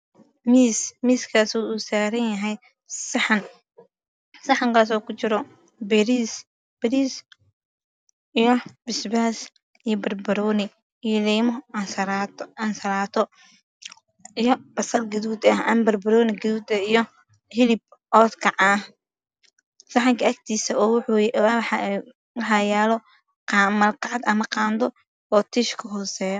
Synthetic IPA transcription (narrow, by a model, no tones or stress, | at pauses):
miːsmiːskʰaːsuuːsaːɾɐnjɐɦɛj | sɐħɐn | sɐħɐŋkʰaːs̬ɔːkʰʊt͡ʃɪɾɔ | bɛɾiːs | b̥ɪɾiːs | ijɔb̥ɪsbaːs | ijɔbɐrbɐɾɔːnɪ | ijlɛːmɔɐsɐnsɐɾaːt̪ʰɔ | ijɔb̥ɐsɐrɡɐðuːd̪ɐhɐmbɐrbɐɾɔːnɪɡɐðuːd̪ɐijɔ | hɪlɪb̚ | ʔɔːd̪kʰɐʕaːh | sɑħɪŋkʰɐɐk̚t̪ʰiːsɐɔwħ | wɑħɑjɛːlɔ | mɐlqɑʕd̪ɐmɐqɑːnd̪ɔ | ɔːt̪ʰiʃkʰɐɦɔːsɛːjɔ